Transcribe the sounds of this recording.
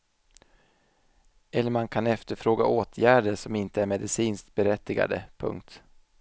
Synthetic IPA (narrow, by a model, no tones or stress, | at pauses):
ɛlːəɾmankʰanɛft̪əɾfɾoːɡa̰ʔoːt̪ʰjæːɖəʂɔmɪnt̪əæɾmɛd̪ɪsiːnst̪̚bɛɾɛt̪ːɪɡa̰d̪ə̰pʰɵ̰ŋk̚t̪